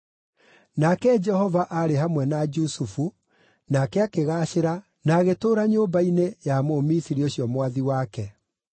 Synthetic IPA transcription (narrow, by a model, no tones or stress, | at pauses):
nakɛd͡ʒɛhɔvaʔaɾeɦamwɛnad͡ʒusufu | nakɛakeɣaːʃeɾa | naɣetoːɾaɲoːmbainejamomisiɾioɕiɔmwaðiwakɛ